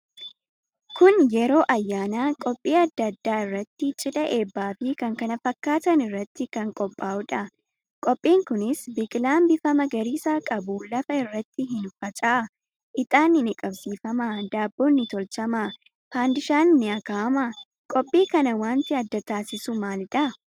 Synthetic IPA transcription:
kʊnjɛɾo̞ːʔɐjːaːnaːkʼɔpʼːiːɐd̪ːɐd̪ːaːɪrːɐt̪ːɪt͡ʃʼɪᶑɐʔe̞ːbːaːfɪkɐŋkɐnɐfɐkːaːt̪ɐnɪrːɐt̪ːɪkɐŋkʼɔpʼːaːʔʊᶑɐ | kʼɔpʼːiːŋkʊnɪsbɪkʼlaːmbɪfɐmɐɡɐɾiːsaːkʼɐbʊlɐfɐɪrːɐt̪ːɪɦɪnfɐt͡ʃʼaːɐ | ʔɪt̪ʼaːnɪnɪkʼɐbsiːfɐmad̪aːbːoːnːɪt̪ɔlt͡ʃɐma | faːnd̪ɪʃaːnɪnɪɐkaːɐmɐ | kʼɔpʼːiːkɐnɐwaːnt̪ɪɐd̪ːɐt̪aːsɪsʊmaːlᶑɐ

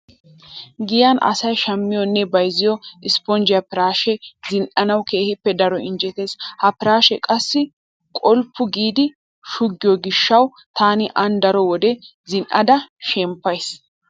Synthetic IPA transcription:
ɡɪjɐnɐ̰sɐjʃɐmːɪjɔnːɛbɐjzɪjɔɪspɔnd͡ʒɪjɐpɪɾaːʃɛzɪnʔɐnɐwke̞ːhɪpːɛd̪ɐɾɔɪnd͡ʒɛt̪eːzhɐpɪɾaːʃɛkʼɐsːɪ | kʼɔlpːʊɡiːd̪ɪ | ʃʊɡːɪjɔɡɪʃːɐw | t̪aːnɪʔɐnd̪ɐɾɔwɔd̪ɛ | zɪnʔɐd̪ɐʃɛmpːɐjs

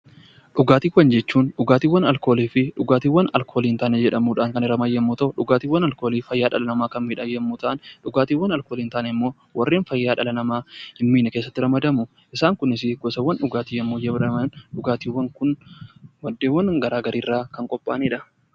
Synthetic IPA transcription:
ᶑʊɡaːt̪iːwːɐnd͡ʒɛt͡ʃːuːnᶑʊɡaːt̪iːwːɐnɐlkoːliːfɪᶑʊɡaːt̪iːwːɐnɐ̰lkʰo̞ːliːnt̪ɐaːned͡ʒɛᶑɐmuːᶑaːŋkɐnɪɾɐmɐjːɐmːuːt̪ɐʔʊᶑʊɡaːt̪iːwːɐnɐlko̞ːliːfɐjːaːᶑɐlɐnɐmaːkɐnmiːᶑɐjːɐmːuːt̪ɐʔɐnᶑʊɡaːt̪iːwːɐnɐlko̞ːliːnt̪aːneɪmːo̞ː | wʔɐrːeːnfɐjːaːᶑɐlɐnɐmaːhɪmːiːnɐkeːsːɐt̪ːɪɾɐmɐd̪ɐmʊ | ʔɪsaːŋkʊnɪs̬ɪɡɔsɐwːɐnᶑʊɡaːt̪iːjɐmːoːd͡ʒɛbɐmnᶑʊɡaːt̪iːwːɐŋkʊnwɐd̪ːeːwːɐnɡɐɾaːɡɐɾʔiːrːaːkɐŋkʼɔpʼːa̰ːniːᶑɐ

